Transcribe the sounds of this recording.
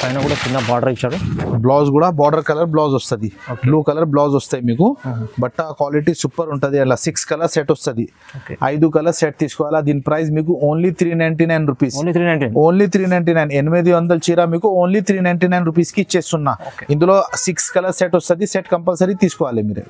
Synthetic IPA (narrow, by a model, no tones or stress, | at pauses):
ɐjnɐkuːɽat͡ʃinːɐbaːɖɐɾit͡ʃːaːɽublaːsɡuːɽaːbaːɖɐɾkɐlɐɾblaːsɔst̪ɐd̪ioːkbluːkɐlɐɾblaːsɔst̪aːjimiːkubɐʈːɐkʋaːliʈisupːɐɾuɳʈud̪iɐnlasikskɐlɐɾseʈɔst̪ɐd̪i | okeɐ̰jd̪ukɐlɐɾseʈ̚t̪iːsu̥kɔʋaːlad̪iːnpɾɐjsmiːk̬uoːnlit̪ʰɾiːnɐjɳʈinɐjnɾupiːsoːnlit̪ʰɾiːnɐjɳʈinɐjnenimed̪iʋɐnd̪ɐlt͡ʃiːɾaːmiːkuoːnlit̪ʰɾiːnɐjɳʈiːnɐjnɾup̬iːskit͡ʃeːst̪unːaːokind̪uloːsikskɐlɐɾseʈɔst̪ɐd̪iseʈkɐmpɐlsɐɾt̪iːsu̥kɔʋaːlemiːɾḛ